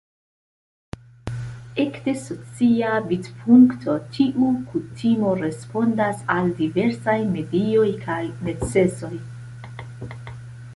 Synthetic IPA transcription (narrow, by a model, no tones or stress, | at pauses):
e̞kde̞so̞t͡siabitpʰuŋktʰo̞tʰiʔukutʰimo̞ɾe̞spo̞ndasaldive̞ɾsajme̞dio̞jkʰajne̞t͡se̞so̞j